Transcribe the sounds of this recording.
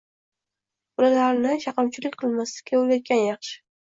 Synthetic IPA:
ʊlaɾaɾnɪʃɑqɑmt͡ʃʰɪlɪkʲqʰɨlˠmaslɪ̥kʲʰaoljat̪̚kʲanjɑχʃɪ̥

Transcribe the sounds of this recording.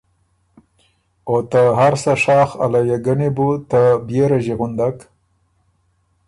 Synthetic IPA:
ot̪aɦaɾsaʂɑːxa̰lajaɡanebut̪abjeɾaʒiɣʊnd̪ak

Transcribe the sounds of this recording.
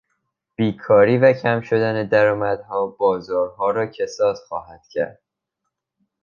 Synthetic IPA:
b̥iːkʰɒːɾiːvæcʰæmʃo̞d̪æned̪æɾɒːmæd̪̥hɒːbɒːzɒːɾɦɒːɾɒːcʰesɒːz̥xɒːɦæd̪̥cʰæ̰ɾd̪̥̚

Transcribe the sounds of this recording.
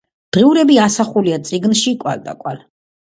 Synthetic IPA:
d̪̥ʁiuɾɛbiasaχuliat̪sʼiɡnʃikʼwa̰ld̪a̰kʼwal

